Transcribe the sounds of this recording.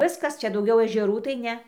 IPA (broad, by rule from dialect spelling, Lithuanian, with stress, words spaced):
ˈʋʲɪskɐs ˈt͡ʃʲɛ dɐʊˈɡʲɛʊ ɛʒʲɛˈruː tɐɪ ˈnʲɛ